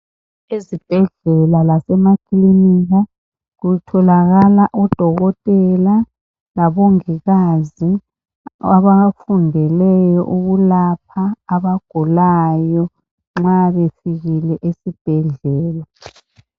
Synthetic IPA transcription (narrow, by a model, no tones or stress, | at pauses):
ezib̥ʱɛɮɛlalasɛmakʰiliniɣa | ɣutʰɔlaɣalaʔɔd̥ʱɔɣɔtʼɛla | laβoŋiɣazi | aβafundʱɛlɛjɔʔuɣulap̚ʰaːβaɡ̥ʱulajɔ | ŋ͡ǁaβefiɣilɛʔesib̥ʱɛɮɛːla